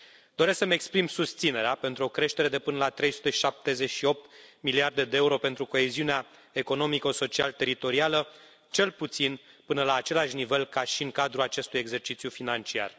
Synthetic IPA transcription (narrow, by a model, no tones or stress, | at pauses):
d̪̥o̞ɾesksəme̞kspɾimsust̪sine̞ɾeape̞nt̪ɾuo̞kɾe̞ʃt̪e̞ɾe̞d̪e̞pɨnəlat̪ɾe̞jsu̥t̪e̞i̥ʃap̚t̪e̞ze̞t͡ʃʃio̞p̚t̪miliard̪e̞d̪e̞euɾo̞pe̞nt̪ɾuko̞e̞ziunea | e̞ko̞no̞mikəso̞t͡ʃialt̪e̞ɾit̪o̞ɾialə | t͡ʃe̞lput̪sin | pɨnəlaːt͡ʃe̞laʃnive̞lkaʃiɨŋkad̪ɾulat͡ʃe̞st̪uje̞ɡze̞rt͡ʃit̪sʲjufinant͡ʃia̰r